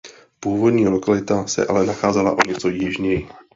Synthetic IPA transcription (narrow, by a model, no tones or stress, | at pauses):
puːvo̞dɲiːlo̞kalɪt̪asɛ̰ʔa̰lɛnaxaːzɛla̰ʔo̞ɲɛt͡so̞jɪʒɲɛjɪ